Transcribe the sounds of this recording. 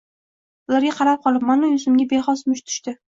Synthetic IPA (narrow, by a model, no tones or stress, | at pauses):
ʊlaɾɡʲaqʰɑɾap̚qʰɒlˠɪpmanojʊsʊmɡʲabeχɒsmʊʃt̪ʰʊ̥ʃt̪ɪ